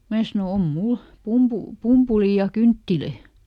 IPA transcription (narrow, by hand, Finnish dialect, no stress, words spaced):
mæː sɑno om mul pumpu pumpuliˑ jɑ kyntːiløˑ